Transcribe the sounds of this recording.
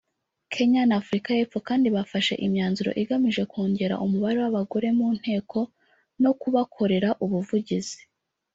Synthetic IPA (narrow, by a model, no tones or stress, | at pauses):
kʰe̞ɲanafuɾikaje̞p͡fo̞kaːndiβafaʃe̞̰ʔimɲaːnzuɾo̞̰ʔiɡamiʒe̞koːɲɟe̞ɾa̰ʔumuβaɾe̞waβaɡo̞ɾe̞muːn̥he̞ːkʰo̞ | no̞kuβakʰo̞ɾe̞ɾaʔuβuvuɟizi̥